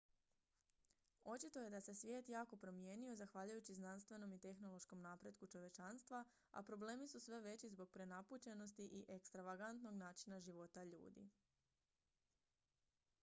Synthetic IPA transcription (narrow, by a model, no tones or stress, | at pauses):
o̞t͡ʃit̪o̞je̞d̪ase̞sʋje̞ːt̪jaːko̞pɾo̞mje̞ːnio̞zaxʋaːʎujut͡ɕiznanst̪ʋe̞no̞mit̪e̞xno̞lˠo̞ʃko̞mnaːpɾe̞d̪kut͡ʃo̞ʋje̞t͡ʃanst̪ʋa | a̰pɾo̞ble̞ːmisusʋe̞ʋe̞t͡ɕizbo̞ɡ̚pɾe̞naput͡ɕe̞no̞st̪iʔiʔekst̪ɾaʋaɡant̪no̞ɡnaːt͡ʃinaʒiʋo̞t̪aʎṵːd̪ḭ